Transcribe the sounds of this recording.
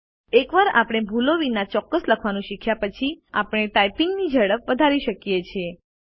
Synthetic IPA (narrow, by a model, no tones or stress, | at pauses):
ekʋaɾa̰pɽ̃ebʱuloʋinat͡ʃɔkːəsləkʰʋanũʃɪkʰjapət͡ʃʰia̰pɽ̃eʈajpiŋɡnid͡ʒʱəɽəpʋəd̪ʱaɾiʃəkjet͡ʃʰe